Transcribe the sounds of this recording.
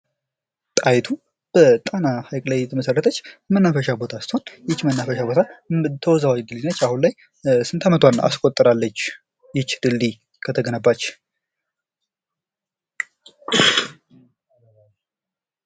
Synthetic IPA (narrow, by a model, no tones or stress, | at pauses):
t̪ʼajt̪ʰu | b̥ət̪ʼanahajkʼlajɛt̪ʰəməsərːət̪ʰət͡ʃːmənːafəʃabo̞t̪ʰasɨ̥t̪honjɪt͡ʃːmənːafəʃabo̞t̪ʰat̪ʰəwɔzawɡɨlinːət͡ʃːahunlaj | sɨnt̪ʰamət̪ʰwanʔa̰skʼot̪ʼːɨɾalːət͡ʃː | jɪt͡ʃːd̪̥ɨlːi | kʰət̪ʰəɡənəbːat͡ʃː